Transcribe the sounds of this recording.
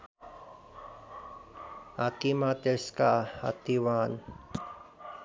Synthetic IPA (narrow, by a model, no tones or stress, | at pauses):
at̪imat̪eskaha̰t̪iwan